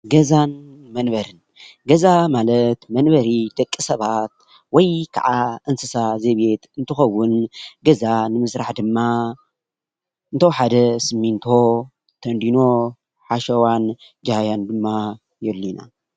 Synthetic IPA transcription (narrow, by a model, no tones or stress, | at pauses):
ɡɐzanmɐnbɐɾɨn | ɡɐzamalɐt̪mɐnbɐɾit̪ɐkʼːisɐβat̪̚ | wɔjkʰa̰ʕaʔɨnsɨsazeβet̪ɨnt̪ʰɨxɐwːʊnɡɐzanɨmɨsɾaħd̪ɨmːa | ɨnt̪ʰoħad̪ɐsɨmːint̪ʰo̞ | t̪ʰɐnd̪ino̞ | ħaʃɐwan | d͡ʒhajand̪ɨmːa | jɛlːina̰